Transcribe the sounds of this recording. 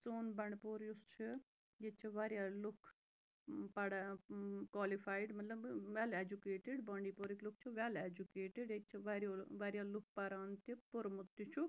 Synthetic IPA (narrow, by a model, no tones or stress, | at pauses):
t͡soːnbɐɳɖpoɾjust͡ʃʰi | jet͡ʃʰiʋaːɾjalʊkʰ | pɐɽakwaːlifʰaːɪɖmɐt̪lɐbʋɛleːd͡ʒukeːʈɪɖbɐ̃ːɳɖiːpoːɾiklʊk̚ʰt͡ʃʰuʋɛled͡ʒukeːʈɪɖet͡ʃʰiʋaɾjoːʋɐɾjaːlʊk̚ʰpɐɾaːnt̪ipʊɾmʊt̪ːit͡ʃʰu